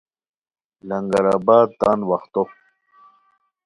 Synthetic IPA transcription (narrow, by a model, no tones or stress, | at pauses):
lɐŋɡɐɾaːbaːd̪̚t̪anwɐxt̪o